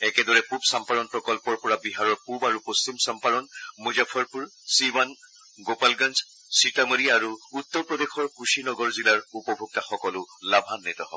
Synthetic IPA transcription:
ɛkɛdɔɹɛpubsampaɾɔnpɹɔkɔlpɔɹlpɔɹabiɦaɹɔɹpubaɹupostimsampadɔnmuzapʰɔɹpuɹsiwan | ɡopalɡanz | sitamoɹiaɹuut̪ːɔɹpɹɔdexɔɹkusinɔɡɔɹzilaɹupɔbʱuk̚taxɔkɔlʊlabʱanːɛtɔɦɔ̰bɔ

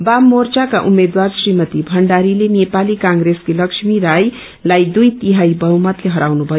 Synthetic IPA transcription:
bamːort͡sakaʔumed̪warsrimʌt̪ibʱʌɳɖaɾilenepalikãŋɡɾeskelʌksmiɾaj | lajd̪ujt̪iɦajbʌɦumʌt̪leɦʌɾawnubʱʌo

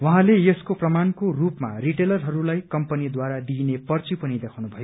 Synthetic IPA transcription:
wʌɦãlejeskoprʌmankorupmariʈelʌrɦʌɾulajkʌmpʌnid̪waɾad̪inepʌrt͡sipʌnid̪ekʰawnubʱʌjo

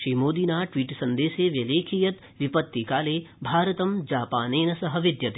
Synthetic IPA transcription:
ʃiːmoːd̪iːnaːʈʋiːʈsɐnd̪eːseːʋjɐleːkʰijɐt̪ | ʋipɐt̪ːikaːleːbʱaːɾɐt̪ɐmd͡ʒaːpaːneːnɐsɐɦɐʋid̪jɐt̪eː

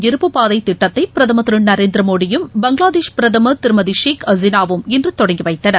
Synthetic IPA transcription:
ɪɾɯpːɯpaːðɐɪt̪ːɪʈːɐt̪ːɐɪpɪɾɐðɐmɐt̪ɾɯɳnɐɾeːnd̪ɾɐmoːɽɪjɯmbɐŋɡɭaːðeːʂpɪɾɐðɐmɐt̪ɪɾɯmɐðiʂeːkɐzɪnaːʋɯmɛndrɯt̪ɔɽɐŋɡiʋɐɪt̪ːɐnɐ

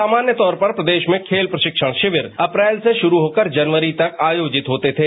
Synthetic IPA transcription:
aːmaːnjət̪ɔːɾpɐɾpɾɐd̪eːʃmẽkʰeːlpɾɐʃɪkʃəɽ̃ʃɪʋəɾɐpɾɛːlseʃʊɾuɦoːkəɾd͡ʒɐnʋəɾit̪ɐkaːjoːd͡ʒɪt̪ɦoːt̪et̪ʰeː

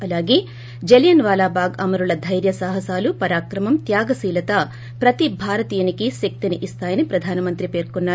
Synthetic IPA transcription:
ɐlaːɡe̞ː | d͡ʒeljɐnʋaːlaːbaːɡɐmɐɾulɐd̪ʱɐjɾjɐsaːɦɐsaːlupɐɾaːkɾɐmɐmt̪jaːɡɐsiːlɐt̪ɐ | pɾɐt̪ibʱaːɾɐt̪iːjɐnikisɐk̚t̪iniʔist̪aːjɐnipɾɐd̪ʱaːnɐmɐnt̪ɾipe̞ːɾkonːaː

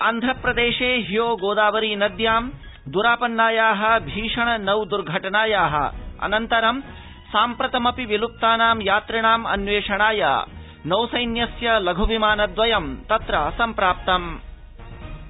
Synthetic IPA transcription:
ɐnd̪ʱɐpɾɐd̪eːʂeːɦijoːɡoːd̪aːʋɐɾiːnɐd̪jaːm | d̪uɾaːpɐnːaːjaːɦɐ̆bʱiːʂɐɳɐnɐwd̪uɾɡʱɐʈɐnaːjaːɦɐ̰ɐ̰nɐnt̪ɐɾɐm | saːmpɾɐt̪ɐmɐpiʋilup̚t̪aːnaːmjaːt̪ɾɐɳaːmɐ̰nʋeːʂɐɳaːja̰ː | nɐwsɐjnjɐsjɐlɐɡʱuʋimaːnɐd̪ʋɐjɐmt̪ɐt̪ɾɐsɐmpɾaːp̚t̪ɐm

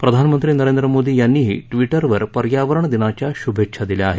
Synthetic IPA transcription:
pɾəd̪ʱanəmənt̪ɾiːnəɾend̪ɾəmod̪iːjanːiːɦḭːʈʋiʈəɾʋəɾpəɾjaʋəɾəɳd̪inat͡ɕjaɕubʱekʂʰad̪iljaːɦe

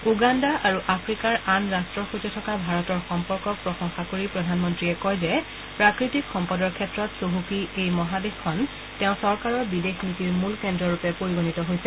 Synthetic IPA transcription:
uɡandaʔaɹuʔapʰɹikaɹanɹastɹɔxutitʰɔkabʱaɹɔtɔɹxɔmpɔɹkɔk̚pɹɔxɔŋxakoɹipɹɔdʱanmɔntɹiɛkɔjzɛ | pɹakɹitikʰxɔmpɔdɔɹkʰɛtɹɔtsoɦukiejmɔɦadexkʰɔn | tɛʊ̃sɔɹkaɹɔɹbidexnitiɹmulkɛndɹɔɹupɛpoɹiɡonitɔɦojsɛ

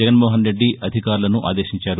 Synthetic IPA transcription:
ɛɡɐnmoːɦɐnɾe̞ɖːiɐd̪ʱikaːɾulɐnuʔa̰ːd̪eːʃiɲt͡ʃaːɾu

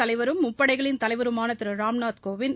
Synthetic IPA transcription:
ɐlɐɪʋɐɾɯmːʊpːɐɽɐɪɣɐɭɪnt̪ɐlɐɪʋɐɾɯmaːnɐt̪ːɯɾɐɾaːmnaːt̪koːʋɪn

